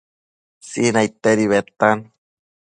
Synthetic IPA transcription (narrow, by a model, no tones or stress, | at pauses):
sinait̪eɾiβet̪an